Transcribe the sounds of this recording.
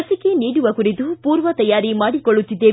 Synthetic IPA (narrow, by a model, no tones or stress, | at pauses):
ɐsikeniːɽuʋɐkuɾit̪upuːɾʋɐt̪ɐjaːɾimaːɽikɔɭːut̪ːid̪ːeː